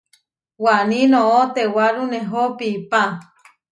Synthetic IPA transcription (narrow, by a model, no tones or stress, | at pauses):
wanĩnõot̪ewaɾuneɦopiːpa